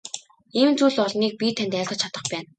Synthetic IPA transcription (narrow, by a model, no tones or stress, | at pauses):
iːmt͡suːɮɔɮniːk̚pʲit̪ʰænt̪æːɮʁə̆t͡ɕʰat̪ə̆χpæːn